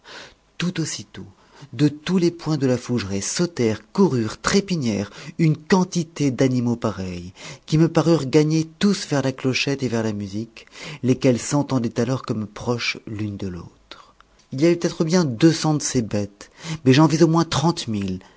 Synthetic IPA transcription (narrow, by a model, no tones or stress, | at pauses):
t̪ut̪osit̪o | d̪ət̪ulepwɛ̃d̪əlafuʒʁesot̪ɛʁkuʁyːʁt̪χepiɲjɛʁynkɑ̃t̪it̪ed̪animopaʁɛjkʲiməpaʁyʁɡaɲet̪usvɛʁlaklɔʃɛt̪evɛʁlamyziklekɛlsɑ̃t̪ɑ̃d̪ɛt̪alɔʁkɔmpχɔʃlynd̪əlo̰t̪χ | ilijavɛpət̪ɛt̪χəbjɛ̃d̪øsɑ̃d̪əsebɛt̪mɛʒɑ̃vizomwɛ̃t̪χɑ̃t̪mil